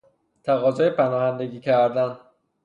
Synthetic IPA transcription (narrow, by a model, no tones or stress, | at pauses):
t̪ʰæɣɒːzɒːjepʰænɒːhænd̪e̞ɟiːcʰæɾd̪æn